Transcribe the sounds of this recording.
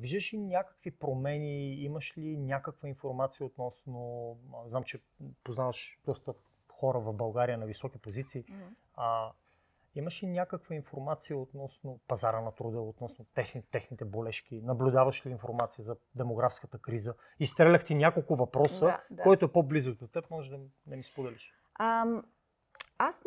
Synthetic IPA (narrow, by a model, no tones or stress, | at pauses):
viʒd̪əʃlinʲakə̥kvipɾomɛniiməʃlʲinʲakəkvəinfoɾmat̪sijəot̪nɔsnoznamt͡ʃɛ | poznavɐʃd̪̥ɔst̪ə | xɔɾəvɐvbɐlˠɡaɾijənɐvisɔk̟ipozit̪siː | ə | iməʃlinʲjakəkvəinfoɾmat̪sijəot̪nɔsnopɐzaɾənɐt̪ɾud̪əot̪nɔsnot̪ɛsnit̪ɛxnit̪ɛbolɛʃk̟inɐblʲʊd̪avɐʃliːnfoɾmat̪sijəzɐd̪ɛmoɡɾafskət̪əkɾizə | ist̪ɾɛlʲɐxt̪inʲakolˠkʊvɐpɾɔsəkoɛt̪oɛpoblizokd̪ot̪ɛpmɔʒɛd̪ɐ | d̪ɐmispod̪ɛliʃ | as